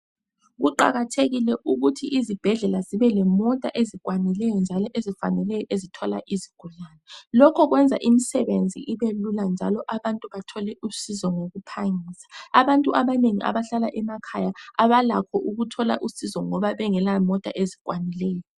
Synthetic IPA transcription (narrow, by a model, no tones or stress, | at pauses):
ɣuǃa̰ɣatʰeɣilɛʔuɣutʰiʔizib̥ʱɛɮɛlaziβɛlɛmɔtʼa̰ʔezik̬ʼwanilɛjɔnd͡ʒʱalɔʔezifa̰nɛlɛjɔʔezitʰɔla̰ʔiziɡ̥ʱulanɛlɔkʰɔɣwɛnd͡zʱa̰ʔimisɛβend͡zʱḭʔiβeluland͡ʒʱalɔʔaβantʼuβatʰɔlɛʔusizɔŋoɣupʰaŋisḁaβantʼuaβaneŋiʔa̰βaɬalaʔɛmakʰajaaβalakʰɔʔuɣutʰɔla̰ʔusizɔŋɔβaβɛŋɛlamɔtʼa̰ʔezikʼwanilɛːjɔ